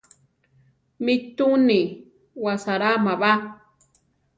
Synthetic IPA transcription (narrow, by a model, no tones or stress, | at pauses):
mɪt̪uni | wasaɾamaβa